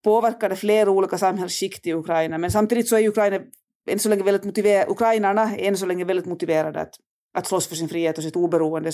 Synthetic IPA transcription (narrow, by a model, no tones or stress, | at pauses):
pʰoːvæɾkad̪əfleːɾauːliːkasamhɛlsʃɪkt̪ɪɪʉkʰɾaɪnamɛnsamt̪ʰiːd̪ɪt̪sɔæɾjʉʉkʰɾajna | ɛnsɔlɛŋːəʋɛlɪt̪mʊt̪ɪʋeːʔʉ̰kʰɾajnəɳaɛɛns̬ɔlɛŋːəvɛld̪ɪt̪mʊt̪ɪveːɾad̪ə̰a̰t̪ | ʔat̪slɔsːfœʂɪnfɾiːheːt̪ɔs̬ɪt̪uːbɛɾuːənd̪ə